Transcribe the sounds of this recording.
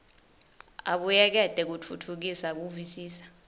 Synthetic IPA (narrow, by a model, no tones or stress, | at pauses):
a̰ɓujɛk̬ɛd̥ʱɛk̬ut͡fʰutʰuk̬isak̬uvisiːsḁ